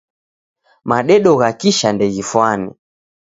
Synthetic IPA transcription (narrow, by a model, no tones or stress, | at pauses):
maɗɛɗɔɣakiʃandɛɣifwanɛ̰